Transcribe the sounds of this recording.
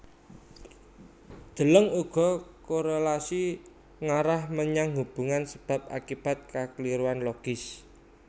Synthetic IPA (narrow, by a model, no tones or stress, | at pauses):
d̪̥ə̤ləŋuɡ̥ɔ̤koɾelasi | ŋaɾahməɲaŋɦub̥ṳŋansəb̥a̤p̚a̰kib̥a̤t̪̚kakəliɾuanloɡ̥ɪs